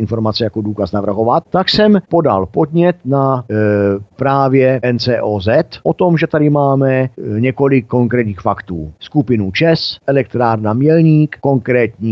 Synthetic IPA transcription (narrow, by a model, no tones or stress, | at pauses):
ɪnfo̞ɾmat͡sɛjakoduːkasnavr̩ɦo̞vat̪̚t̪aksɛmpo̞da̰lpo̞d̪ɲɛt̪na | pɾaːvjɛɛnt͡sɛːʔozɛt̪ʔot̪o̞mʒɛt̪adɪmaːmɛɲɛko̞lɪkːo̞ŋkɾɛːt̪ɲiːxfakt̪uːskupɪnut͡ʃɛsʔɛlɛkt̪ɾaːɾnamjɛlɲiːkko̞ŋkɾɛːt̪ɲiː